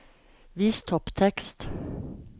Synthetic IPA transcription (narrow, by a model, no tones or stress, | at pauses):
ʋiːst̪ʰɔpt̪ʰɛkst̪